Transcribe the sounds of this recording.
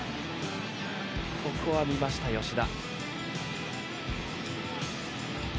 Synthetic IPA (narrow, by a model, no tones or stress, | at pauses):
bo̞kɯβamʲimaɕi̥t̪ajo̞ɕid̪a